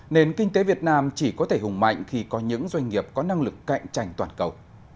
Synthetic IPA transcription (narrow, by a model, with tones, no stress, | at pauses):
ne˧nkï˧ŋ̟t̪e˨˦vi˨˩ət̚naː˧mt͡ɕi˧˩kɔ˨˦t̪ʰe˧˩ɦʊ˨˩ŋ͡mma̰˧˨jŋ̟xi˧kɔ˨˦ɲɨ̰˧˥ŋzwa˧jŋŋi˨˩əp̚kɔ˨˦na˧ŋlɨ˨˩kːa̰˧˨jŋ̟t͡ɕa̰˧˩jŋ̟t̪waː˧˩nkə˨˩w